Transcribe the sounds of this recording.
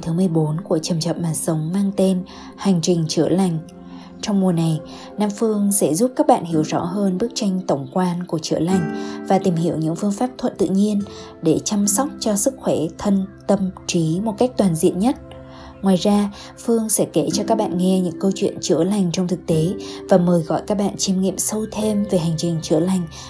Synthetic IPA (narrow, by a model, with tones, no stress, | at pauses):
t̪ʰɨ˨˦mɨ˨˩əjɓo˨˦nku˧˩ət͡ɕə˨˩mt͡ɕə˨˩t̚maː˨˩sə˨˦wŋ͡mmaː˧ŋt̪e˧n | ha˨˩jŋ̟t͡ɕï˨˩ŋ̟t͡ɕɨ̰˧˩əla˨˩jŋ̟ | t͡ɕɔ˧wŋ͡mmu˨˩əna˨˩j | naː˧mfɨ˧əŋsɛ̰˧˥zu˦˥p̚kaː˦˥k̚ɓa̰ː˧˨nhi˧˩əwzɔ̰˧˥ɦəː˧nɓɨ˦˥ək̚t͡ɕa˧jŋ̟t̪ə˧˩wŋ͡mkwaː˧nku˧˩ət͡ɕɨ̰˧˩əla˨˩jŋ̟vaː˨˩t̪i˨˩mɦi˧˩əwɲɨ̰˧˥ŋfɨ˧əŋfaː˦˥p̚t̪ʰwə˧˨nt̪ɨ̰˧˨ɲi˧ən | ɗe˧˩t͡ɕa˧msa˦˥wk͡p̚t͡ɕɔ˧sɨ˦˥k̚xwɛ˧˩t̪ʰə˧nt̪ə˧mt͡ɕi˨˦mo˨˩t̚ka˦˥jk̟̚t̪waː˨˩nzḭ˧˨ənɲə˦˥t̚ | ŋwaː˨˩jzaː˧ | fɨ˧əŋsɛ̰˧˥ke˧˩t͡ɕɔ˧kaː˦˥k̚ɓa̰ː˧˨nŋɛ˧ɲɨ̰˧˥ŋkə˧wt͡ɕwḭ˧˨ənt͡ɕɨ˧˩əla˨˩jŋ̟t͡ɕɔ˧wŋ͡mt̪ʰɨ˨˩k̚t̪e˨˦vaː˨˩məː˨˩jɣɔ̰˧˨jkaː˦˥k̚ɓa̰ː˧˨nt͡ɕi˧mŋḭ˧˨əmsə˧wt̪ʰe˧mve˨˩ɦa˨˩ŋ̟t͡ɕï˨˩ŋ̟t͡ɕɨ̰˧˩əla˨˩jŋ̟